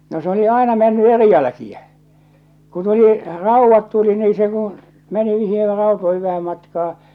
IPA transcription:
no s oli ɑˑenɑ menːy eri jælæ̆kiæ ku tuli rɑˑuʋːɑt tuli niː se kũː meni niːher rɑutoihiʋ ʋæhæm mɑtkɑː

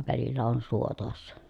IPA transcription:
ʋælilːæ on suo toɑsːɑ

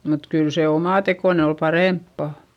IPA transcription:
mut kyl se omɑˑtekoˑne ol pɑreˑmpːɑ

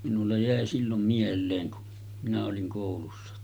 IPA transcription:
minulːɑ jæˑe silːom mielˑeːŋ ku minæ oliŋ koˑulusːɑ

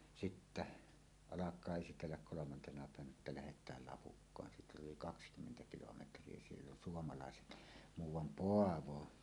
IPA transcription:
sitːæ ɑlɑkˑɑː esitelːæk kolomɑntenɑ pæˑeʋænæ etːæ læhetˑæːl lɑpukːɑːn siːt oli kɑkskymːentæ kilometrˑie sielː on suomɑlɑˑeset muːwˑɑm poɑʋo

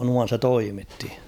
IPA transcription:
nuɑn̞ se toimitːi

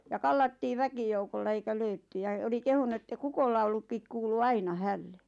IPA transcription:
jɑ kɑlːɑtːiː ʋækijoukolːɑ eikæ løytːy jɑ oli kehunu etːæ kukolːɑulukːik kuːlu ɑinɑ hælːe

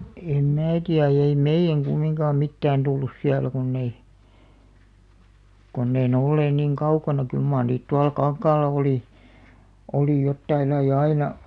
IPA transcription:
em mæː tiæ ei meij̆æŋ ɡ̊umːiŋkɑːm mitːæːn tulːus siælæ kunː ei kunː ei ne olːeːn niŋ kɑukɑnɑ kyl mɑːr niːt tuɑl kɑŋkɑːlːɑ oli oliˑ jotːɑilːɑij̆ ɑinɑ

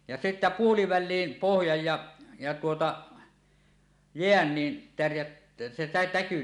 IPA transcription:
jɑ se sitːæ puoliʋælˑiːm pohjɑj jɑ jɑ tuotɑ jeæn ni tærjæt se tæ tæky

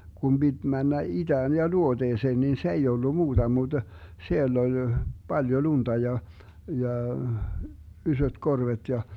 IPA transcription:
ɡ̊um bid̥ mænːæ id̥æːn jɑ luod̥eːseːn nin se ei olːu muːd̥ɑ mud̥ sielː olʲ b̥ɑljo luntɑ jɑ jɑ ysøt korʋet jɑ

